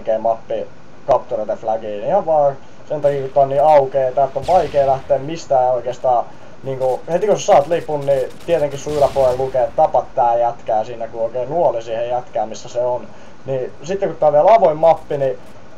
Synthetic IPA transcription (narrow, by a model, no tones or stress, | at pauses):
keːmɑpːi | kɑpt̪uret̪eflækiːniihɑʋʋɑː | sent̪ɑkiːkut̪t̪ːɑːˑnniːɑukeːt̪æːt̪ːoʋʋɑikeːlæht̪eːmmist̪æːoikeːst̪ɑː | niːŋkuhet̪ikosesɑːt̪lipunnit̪iet̪eŋkissuirɑpoellukeːt̪t̪ɑpɑt̪t̪æːjæt̪kæːsinækuoikeːnuolisiːhejjæt̪kæːmisːæseon | nisit̪ːekut̪ːæːʋielɑʋoimːɑpːini